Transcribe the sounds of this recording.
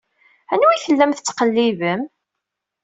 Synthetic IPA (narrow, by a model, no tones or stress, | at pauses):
ænwiθəlːæmθət͡sːqəlːivəm